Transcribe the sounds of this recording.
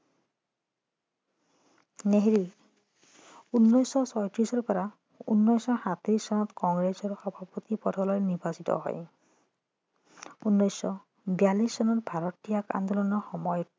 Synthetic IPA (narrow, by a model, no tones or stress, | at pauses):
neɦɹi | unːɔjsɔsɔjtɹisɔɹpɔɹa | ṵnːɔjsɔxat̪ɹisːɔnɔtkɔŋɡɹesɔɹxɔbʱapɔt̪ipɔdʰʱɔlɔjnibʱasitɔ̰ɦɔ̰j | unːɔjsːɔ | bjalissɔnɔtbʱaɹɔtːijaka̰nd̪ɔlɔnɔxɔmɔjɔt